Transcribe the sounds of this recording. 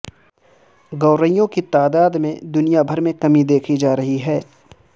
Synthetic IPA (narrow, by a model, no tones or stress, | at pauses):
ɡɐːɾəijõkit̪aːd̪aːd̪mẽd̪ʊnijabʱɐɾmẽkɐmid̪eːkʰid͡ʒaːɾɐɦiɦɛː